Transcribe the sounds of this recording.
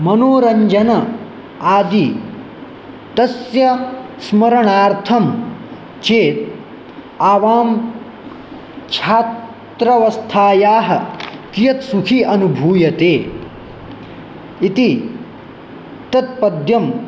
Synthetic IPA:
mɐnoːɾɐɲd͡ʒɐnɐ | aːd̪i | t̪ɐsjɐsmɐɾɐɳaːɾt̪ʰɐm | t͡ʃeːt̪̚ | aːʋaːm | t͡ʃʰaːt̪ | ɾɐʋɐst̪ʰaːjaːɦɐkijɐt̪sukʰiɐnubʱuːjɐt̪eː | it̪i | t̪ɐt̪̚pɐd̪ʱjɐm

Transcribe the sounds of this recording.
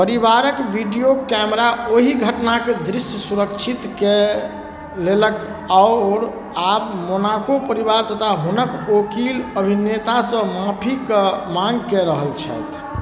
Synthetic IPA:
pəɾibaɾəkbiɖijokɛmɾaoɦiɡʱəʈnaked̪ɾisəsuɾəkt͡ʃʰit̪ke | lelək | aʊɾ | abmonakopəɾiβaɾt̪ət̪ʰaɦunəkokiləbʱinet̪asə̃mãpʰikmãŋɡkeɾəɦəlt͡ʃʰə̰jt̪ʰ

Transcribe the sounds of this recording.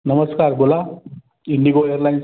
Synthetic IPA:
nəməskaɾbola | iɳɖiɡoeɾlajns

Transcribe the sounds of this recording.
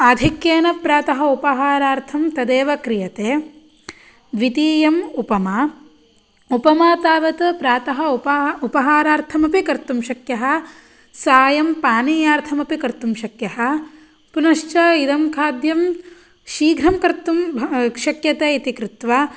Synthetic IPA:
ad̪ʱikjeːnɐpɾaːt̪ɐɦɐupɐɦaːɾaːɾt̪ʰɐmt̪ɐd̪eːʋɐkɾijɐt̪eː | ʋit̪iːjɐmupɐma | upɐmaːt̪aːʋɐt̪ɐpɾaːt̪ɐɦɐpupɐɦaːɾaːɾt̪ʰɐmɐpikɐɾt̪umʃɐkjɐɦɐ̆ | saːjɐmpaːniːjaːɾt̪ʰɐmɐpikɐɾt̪umʃɐkjɐɦɐ̆ | punɐʃt͡ʃɐid̪ɐmkʰaːd̪jɐm | ʃiːɡʱɾɐmkɐɾt̪ːumʃɐkjɐt̪eːit̪ikɾɪt̪ʋa

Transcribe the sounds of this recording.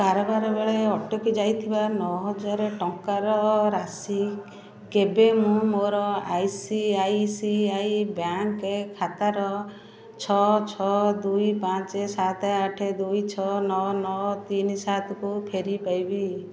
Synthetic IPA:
kaɾɔbaɾɔbeɭeɔʈɔkid͡ʒajt̪ʰibanɔɦɔd͡ʒaɾeʈɔŋkaɾɔɾasi | kebemũmoɾɔajsiajsiajbjaŋkekʰat̪aɾɔ | t͡ʃʰɔt͡ʃʰɔd̪ujpãt͡ʃesat̪aʈʰed̪ujt͡ʃʰɔnɔnɔt̪inisat̪ɔkupʰeɾipajbi

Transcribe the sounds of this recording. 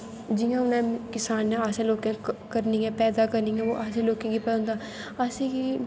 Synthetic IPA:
d͡ʒɪjãːʊnɛ̃ːkɪsaːnːɛ̃ːaːsẽːloːkẽːkəɾniːɛ̃ːpɛːd̪aːkəɾniːɛ̃ːoːʔaːsẽːloːkẽːɡiːpɛ̃ːnd̪aː | aːsẽːɡi

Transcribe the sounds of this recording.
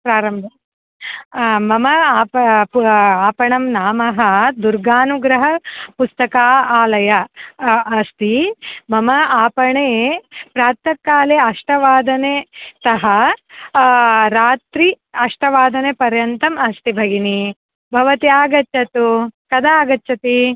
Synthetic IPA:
pɾaːɾɐmbʱɐ | mɐmɐaːp | aːpɐɳɐmnaːmɐɦɐd̪uɾɡaːnuɡɾɐɦɐpust̪ɐkaːaːlɐjɐː | st̪imɐmɐaːpɐɳeːpɾaːt̪ɐkːaːleːɐʂʈɐʋaːd̪ɐnet̪ɐɦɐ | ɾaːt̪ɾi | ɐʂʈɐʋaːd̪ɐnepɐɾjɐnt̪ɐmɐst̪ibʱɐɡini | bʱɐʋɐt̪iaːɡɐt͡ʃɐt̪ukɐd̪aaːɡɐtːʃɐt̪i

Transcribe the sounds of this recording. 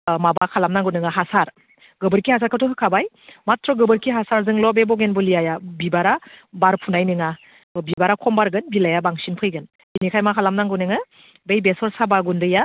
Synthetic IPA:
mabakʰalamnaŋɡunɯŋaɦasaɾ | ɡɯbɯɾkʰihasaɾkʰɯtʰɔɦɯkʰabaj | matɾɔɡɯbɯɾkʰiɦasaɾzɯŋlɔbebɔɡenbɔlijajabibaɾabaɾpʰunajnɯŋa | bibaɾakʰɔmbaɾɡɯnbilajabaŋsinpʰɯjɡɯn | binikʰajmakʰalamnaŋɡɯnɯŋɯ | bejbesɔɾsabaɡundɯja

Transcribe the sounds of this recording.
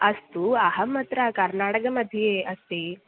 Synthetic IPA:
ɐst̪uɐɦɐmɐt̪ɾɐkɐɾnaːʈɐkɐmɐd̪ʱijeʔɐst̪i

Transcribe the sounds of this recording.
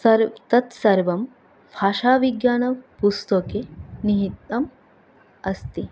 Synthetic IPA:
ɐɾt̪ɐt̪sɐɾʋɐm | pʰaːʃaːʋiɡjaːnɐpust̪okeniɦit̪ːɐm | ɐst̪i

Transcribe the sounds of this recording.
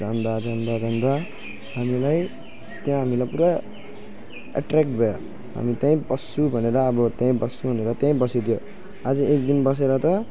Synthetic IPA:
d͡zand̪ad͡zand̪ad͡zʱʌnd̪a | ɦamilaj | t̪jãɦamilajpuɾa | a̰ʈrekʈbʱʌja | ɦa̰mit̪jãĩbʌsːubʱʌneɾʌːbʌt̪jãĩbʌsːuɦuneɾʌt̪jãĩbʌsid̪ijo | ad͡zʌek̚d̪inbʌs̬eɾʌt̪ʌ

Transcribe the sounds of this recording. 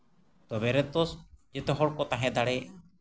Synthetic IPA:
t̪ɔbɛɾɛt̪ɔsd͡ʒɛt̪ɔɦɔɽkɔt̪aɦɛ̃d̪aɽɛ

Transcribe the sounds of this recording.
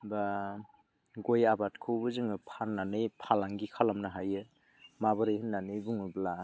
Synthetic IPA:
ba | ɡojabat̚kʰɯwbɯzɯŋɯpʰaɾnːanɯjpʰalaŋɡikʰalamnaɦajɯ | mabɯɾɯjhɯnnːanɯjbuŋɯbla

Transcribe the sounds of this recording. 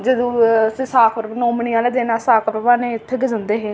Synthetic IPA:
d͡ʒəd̪õːsĩːsaːkʰəɾnõːmɳɪjãːleːd̪eːnaːsaːkʰpəʋãːneːɪt̪ʰːeːɡəd͡ʒə̃nd̪eːɦeː

